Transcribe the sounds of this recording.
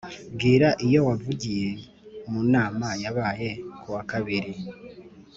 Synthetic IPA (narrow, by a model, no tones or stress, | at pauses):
ɡiːɾaʔijo̞wavuɟije̞ | munaːmajaβaːje̞kuwakaβiɾi